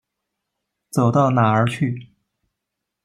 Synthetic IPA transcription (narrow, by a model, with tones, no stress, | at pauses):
t͡so˨˩ʊt̪ɑ˥˩ʊna˨˩ə˞˧˥t͡ɕʰy˥˩